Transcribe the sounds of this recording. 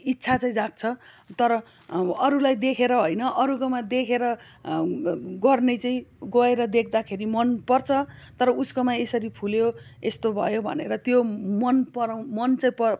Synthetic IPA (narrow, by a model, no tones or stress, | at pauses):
itːsʰat͡saĩd͡zak̚t͡sʰʌ | t̪ʌɾʌ | ʌɾulajd̪ekʰeɾʌɦojnʌʔʌɾukomad̪ekʰeɾʌ | ɡʌrnet͡sʌĩɡoeɾʌd̪ekʰd̪akʰeɾimʌnpʌrt͡sʰʌt̪ʌɾʌuskomaesʌɾipʰuljoest̪obʱʌ̰jobʱʌ̰neɾʌt̪jomʌnpʌɾaw̃mʌnt͡sʌĩpʌ